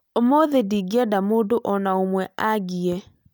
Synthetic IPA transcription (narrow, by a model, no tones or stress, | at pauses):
omoðediɡiɛdamoːdoʔɔnaomwɛaɡiɛ